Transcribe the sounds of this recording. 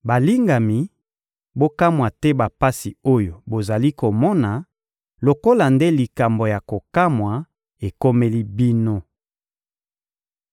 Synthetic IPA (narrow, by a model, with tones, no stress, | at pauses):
ba˨li˦ŋɡa˨mi˨ | bo˦ka˦mwa˨tɛ˦ba˨pa˦si˨o˦jo˨bo˨za˨li˦ko˨mɔ˦na˨ | lo˨ko˦la˨nde˦li˨ka˨mbo˨ja˨ko˨ka˦mwa˨ | e˨ko˦me˦li˦bi˦no˦